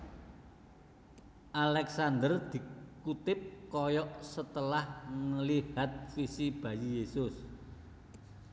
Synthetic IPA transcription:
ʔalɛksand̪ərd̪̥i̤kut̪ɪp̚kɔjɔʔsət̪əlahŋəlihat̪̚fisib̥ä̤jijesʊs

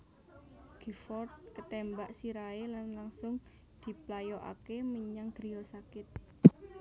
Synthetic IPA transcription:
ɡ̥ifɔrt̪̚kət̪ɛmbaʔsiɾaelanlaŋsʊŋ | d̪̥i̤plajɔʔa̰keməɲaŋɡ̥ɾijɔsakɪt̪̚

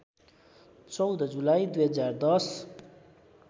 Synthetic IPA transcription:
t͡sʌwd̪d͡zulajd̪ujɦʌd͡zard̪ʌs

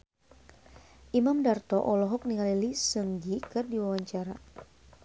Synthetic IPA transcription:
ʔimamdart̪ɔʔɔlɔɦɔk̚niŋalilisəŋɡikɨrdiwawaɲt͡ʃaɾa

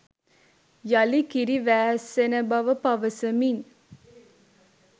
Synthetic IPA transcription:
jalikiɾiʋæːsːenəbɐʋəpɐʋəsəmin

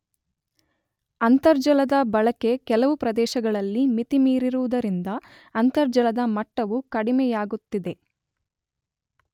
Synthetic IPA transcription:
ɐnt̪ɐɾd͡ʒɐlɐd̪ɐbɐɭɐke̞kɛlɐʋupɾɐd̪ɛːʃɐɡɐɭɐlːimit̪imiːɾiɾuʋud̪ɐɾind̪ɐː | nt̪ɐɾd͡ʒɐlɐd̪ɐmɐʈːɐʋukɐɽimɛjaːɡut̪ːid̪e̞

